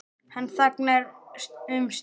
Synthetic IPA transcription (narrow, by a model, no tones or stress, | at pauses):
hanːθaknaɾʏms